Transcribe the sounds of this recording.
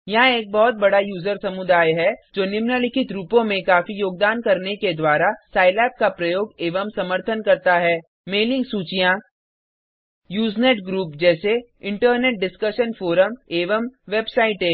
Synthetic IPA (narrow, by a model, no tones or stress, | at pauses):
jɐɦãeːk̚bɔɦʊt̪̚bɐɽajuːzəɾsɐmʊd̪aːjɦɛd͡ʒoːnɪmnəlɪkʰɪt̪ɾuːpõmẽkaːfijoːɡ̚d̪aːnkɐɾneked̪waːɾasaːɪlɛːp̚kapɾɐjoːɡeːʋəmsɐməɾt̪ʰənkɐɾt̪aɦɛː | meːlɪ̃ŋɡsuːt͡ʃijã | juːzneːʈɡɾuːpd͡ʒɛːse | ɪ̃ɳʈəɾneːʈ̚ɖɪskəʃənfoːɾəmeːʋəmʋebsaːɪʈeː